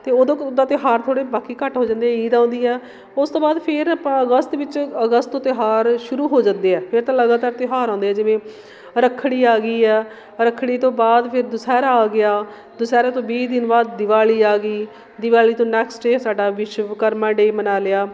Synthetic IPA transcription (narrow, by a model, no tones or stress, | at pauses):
t̪eːod̪od̪aːt̪ɪɦaːɾt̪ʰoːɽeːbaːkiːkəʈɦoːd͡ʒãːnd̪eːɛiːd̪ãʊ̃ːnd̪iːɛː | ʊst̪õːbaːd̪pʰɪɾapãːəɡəst̪ʋɪt͡ʃəɡəst̪õːt̪ɪɦaːɾʃʊɾuːɦoːd͡ʒãːnd̪eːɛːpʰɪɾt̪ãːləɡaːt̪aːɾt̪ɪɦaːɾãːnd̪eːɛːd͡ʒɪʋẽː | ɾəkʰːɽiːaːɡiːɛː | ɾəkʰːɽiːt̪õːbaːd̪pʰɪɾd̪ʊsɛːɾaaːɡɪjaː | d̪ʊsɛːɾãːt̪õːbiːd̪ɪnbaːd̪ːɪʋaːliːaːɡiː | d̪ɪʋaːliːt̪õːnɛːksɖeːsaːɖaːʋɪʃkəɾmãːɖeːmənaːlɪaː